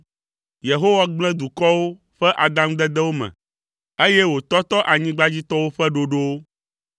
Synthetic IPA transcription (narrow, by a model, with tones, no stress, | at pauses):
je˨ɦo˦wa˦ɡ͡blɛ̃˦d̪u˨kɔ˦wo˦ | ɸɛ˦ʔa˨d̪ã˦md̪ɛ˦d̪ɛ˦wo˦mɛ̰̃˨ | e˦jɛ˦wo˨t̪ɔ˦t̪ɔ˦ʔa˨ɲĩ˦ɡ͡ba˦d͡ʑi˦t̪ɔ˦wo˦ɸɛ˦ɖo˨ɖo˦o˦